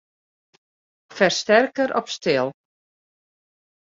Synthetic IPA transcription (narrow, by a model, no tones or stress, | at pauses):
fɛrstɛrkəɾʔɔ̰pstɪlˠ